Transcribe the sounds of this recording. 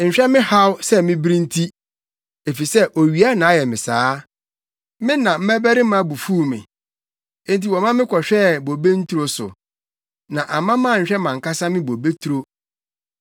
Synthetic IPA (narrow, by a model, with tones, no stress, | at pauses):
ɲ̩˨ɕᶣɛ˦mɪ̃˦ha˦wsɛ˦mɪ̃˦bɾĩ˦n˦tʰi˦ | e˨fi˨sɛ˦ʔo˨ɥi˨˦a˦nã˨˦jɛ˨mɪ̃˨saː˨˦ | mɪ̃˦nã˨m̩˦mɛ˦bæ˦ɾɪ˦mã˦˨˦bu˨fu˦˨mɪ̰̃˨ | ẽ˦nti˨wɔ˨mã˦mɪ̃˦kʰɔ˨ɕᶣɛ˦˨bo˨be˦n̩˦tʰu˦ɾo˦sʊ̰˨ | nã˨ʔa˨mã˦mã˦˨ɲ̩˨ɕᶣɛ˦mã˨ŋ̩˨ka˦sa˦mɪ̃˦bo˨be˦tʰu˨ɾo˦